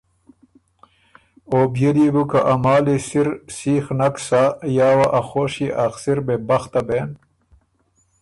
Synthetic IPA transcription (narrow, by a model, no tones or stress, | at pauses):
oːbjeliɡukaʔamaːlisiɾsiːxnɐksajaːwaʔaxoːʂiʔaqsiɾbebɐxt̪ɐbeːn